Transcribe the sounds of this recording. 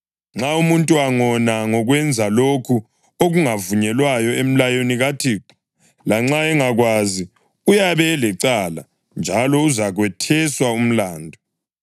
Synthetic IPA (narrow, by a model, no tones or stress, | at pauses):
ŋ͡ǁaumuntʼuwaŋɔnaŋɔɣwɛnd͡zʱalokʰu | oɣuŋavuɲɛlwajɔem̩lajoniɣatʰi | laŋ͡ǁaɛŋaɣwazi | ujaβɛːlɛǀala̰ | nd͡ʒʱalɔuzaɣwɛtʰɛswaum̩laːndʱɔ